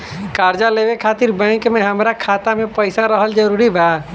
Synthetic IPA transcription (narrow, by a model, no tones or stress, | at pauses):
kaːɾd͡ʒaleːʋekʰaːt̪iɾbə̃ːɪ̃kmẽɦɐmɾakʰaːt̪amẽpəɪsaɾəɦəld͡ʒəɾuːɾibʱəa